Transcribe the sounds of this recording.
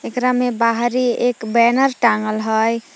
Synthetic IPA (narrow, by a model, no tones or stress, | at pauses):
ekɾamebaɦɾiekbɛnəɾʈaŋɡəlɦəj